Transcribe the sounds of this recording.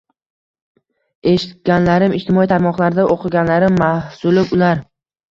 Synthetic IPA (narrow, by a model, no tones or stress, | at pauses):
e̞ʃɪt̪̚ɡʲanlaɾɪmɪʃt̪ɪmɒit̪ʰaɾmɒqlˠaɾɪd̪aʔoqʰɨɡʲanlaɾɪmːahsʊlɪpʊlaɾ